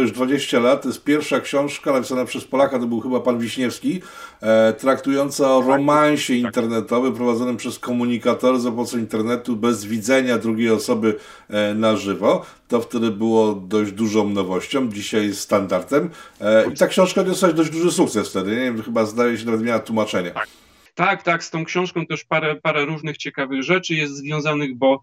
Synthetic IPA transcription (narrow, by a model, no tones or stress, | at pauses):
juʐd̪vad͡ʑeɕt͡ɕalat̪̚t̪ːɔjɛst̪̚pʲjɛɾfʂakɕɔ̃w̃ʂkanapʲi̥sanapʂɛspɔlakat̪ɔbɘwxɘbapanvʲiɕɲɛfskʲi | t̪ɾakt̪ujɔnt̪saɔɾɔmaɲ̃ɕɛint̪ɛɾnɛt̪ɔvɛpɾɔvad̪zɔnɘpʂɛskɔmuɲikat̪ɔɾzapmɔsɛint̪ɛɾnɛt̪ubɛzvʲid̪zɛɲad̪ɾuɡʲejɔsɔbɘ | naʐɘvɔ | t̪ɔft̪ɛd̪ɘbɘwɔd̪ɔʑd͡ʑd̪uʐɔ̃w̃nɔvɔɕt͡ɕɔ̃wmd͡ʑiɕajst̪and̪aɾt̪ɛmit̪akɕɔ̃w̃ʂkad̪ɔsad͡ʑd̪ɔʑd͡ʑd̪uʐɘsukt̪sɛsft̪ɛd̪ɘɲevʲjɛmxɘbazd̪ajɛɕ̬ɛnavɛt̪mʲawat̪wumat͡ʂɛɲɛ | t̪akt̪akst̪ɔ̃w̃kɕɔ̃w̃ʂkɔ̃w̃t̪ɛʂpaɾɛpaɾɛɾuʐnɘxt͡ɕɛkavɘɣʐɛt͡ʂɘjɛst̪zvʲjɔ̃w̃zanɘɣbɔ